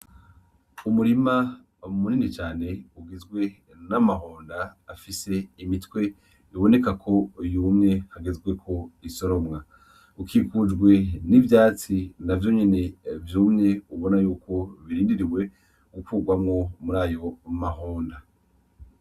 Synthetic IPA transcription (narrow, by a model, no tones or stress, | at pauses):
umuɾima | muninit͡ʃaːne̞uɡizɡwe̞ | namaɦoːndaːfise̞imitwe̞ | iβo̞ne̞kakʰo̞juːmŋe̞haɡezwe̞kʰo̞iso̞ɾo̞mŋa | ukʰikud͡ʒɡwe̞nivjaːt͡sinavjo̞ɲe̞ne̞vjuːmŋe̞uβo̞najuːkʰo̞βiɾiːndiɾiwe̞ | ɡukuːɡwamŋo̞muɾaːjo̞maɦoːnda